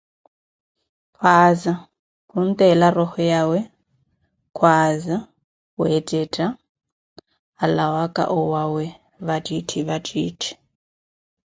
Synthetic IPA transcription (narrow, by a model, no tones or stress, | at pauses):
pʰwaːza | kun̩t̪ʼɛlarɔhɔjawɛ | kʰwaːza | wɛtʼɛtʼa | lawakʼa̰ʔɔwawɛ | βatʼitʰiβatʼiːtʰi̥